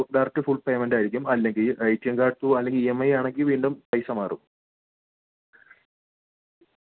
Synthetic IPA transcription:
ɖarɐk̚ʈːɨfuːɭpeːmendaːjɾikʲːumɐlːe̞ŋɡilɐjtːijɐŋkaːɽt̪ːuɐlːe̞ŋɡilemːɐjaːɳe̞ŋɡilʋiːɳɖumpɐjsɐmaːru

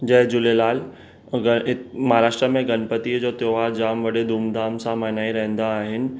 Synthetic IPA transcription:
d͡ʑɐɦd͡ʑʊlelaːl | mɐɦaɾaːʃʈɾəmẽɡɐnpət̪iəd͡ʑoːt̪joːʋaːɾd͡ʑaːmʋɐɗed̪ʱuːmd̪ʱaːmsãmanaːiɾɐɦə̃nd̪aːɦɪnɪ̆

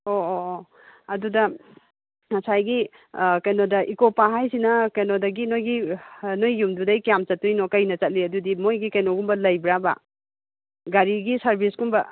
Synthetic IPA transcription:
o | ɐdudɐ | mɐsajɡi | kɐjnodɐʔikopaɦajsinɐkɐjnodɐɡinojɡinojːumdudɐjkijamt͡ʃɐtujnokɐjnɐt͡ʃɐt̚liɐdudimojɡikɐjnoɡumbɐlɐjbɾaba̰ | ɡaɾiɡisɐɾbisɡumbɐ

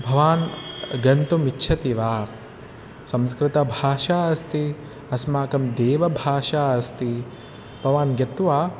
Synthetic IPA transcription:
bʱɐʋaːnɡɐnt̪umitːʃʰɐt̪iʋaː | sɐ̃mskɾɪt̪ɐbʱaːʃaːɐst̪i | ɐsmaːkɐmd̪eːʋɐbʱaːʃaːɐst̪i | b̥ʱɐʋaːnɡɐt̪ʋaː

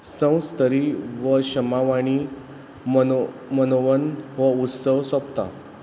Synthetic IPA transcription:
sə̃w̃st̪əɾiːʋəɕəmaʋaɽ̃i | m | mənoʋənʋəut̪səʋsəpt̪a̰

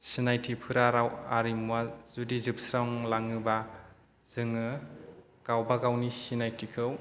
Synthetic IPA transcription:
sinajtʰipʰɯɾaɾawaɾimwazudizɯp̚sɾawŋlaŋɯba | z̥ɯŋɯ | ɡ̥awbaɡawnisinajtʰikʰɯw

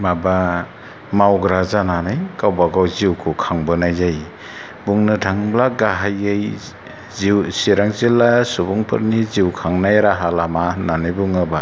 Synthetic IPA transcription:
maba | mawɡɾazananajkawbaɡawziwkʰukʰaŋbɯnajzaj | buŋnɯtʰaŋblaɡaɦajɯj | zisiɾaŋzilːasubuŋpʰɯ̰ɾniziwkʰaŋnajɾaɦalamananɯjbuŋaba

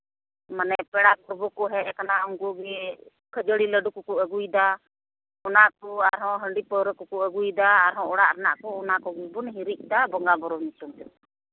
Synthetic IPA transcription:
manɛpɛɽapɔɾbɔkɔɦɛʔɛkanaɔŋɡuɡɛ | kʰəd͡ʒəɽiləɖukɔkuʔəɡujd̪a | ɔnaʔkɔaɾɦɔ̃ɦəɳɖipəɾəkɔkuʔəɡujd̪aːɾɦɔ̃ɔɽaʔɾɛna̰ʔkɔɔnakɔɡubunɦiɾic̚ˀd̪abɔŋɡabɔɾɔɲit͡ʃɔmt̪ɛ

